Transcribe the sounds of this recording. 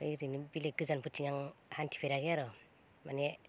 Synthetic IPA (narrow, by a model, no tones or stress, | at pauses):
ɯjɾinibileɡɯzanpʰɯtʰiŋaŋhantʰi̥pʰeɾaɡeaɾɔ | mane